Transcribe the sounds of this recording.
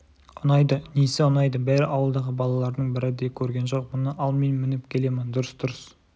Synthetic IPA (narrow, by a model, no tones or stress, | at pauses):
ʊnɑjd̪ənesɪʊnɑjd̪əbæɾɪʔɑwəlˠd̪ɑʁəbɑlˠɑlˠɑɾd̪əɴbɪɾɪd̪ekʲʰɵɾɡʲe̞nʒo̞q̚mʊnəʔɑlˠme̞nmɪnɪpkʲʰe̞le̞mɪnd̪ʊɾəsd̪̥ʊɾəs